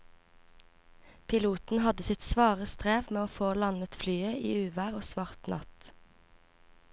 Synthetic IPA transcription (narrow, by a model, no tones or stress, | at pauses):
pʰɪluːt̪n̩hɑd̪əsɪt̪sʋɑːʁəst̪ʁeːʋmeːoːfoːlɑnət̪flyːəʔḭːʉːʋæːʁoːsʋɑʁt̪nɑ̰t̪